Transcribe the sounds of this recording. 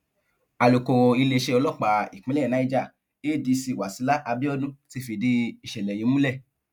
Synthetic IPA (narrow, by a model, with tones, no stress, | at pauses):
a˨lo˨ko˨i˧le˧ʃe˧ɔ˧lɔ˦˨k͡pa˨i˨k͡pĩ˨˦lɛ˦˨nã˨˧˦i˦d͡ʒa˦˨ | e˦˨di˧˦si˧˨wa˨si˨˦la˦ʔa˧bi˦ɔ˦nũ˦ti˧˦fi˨di˧i˨ʃɛ˨lɛ˨ji˨˧˦mũ˦lɛ˦˨